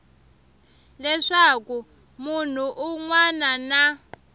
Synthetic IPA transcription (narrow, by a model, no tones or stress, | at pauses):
lɛʂaku | mun̤uʔuŋwanana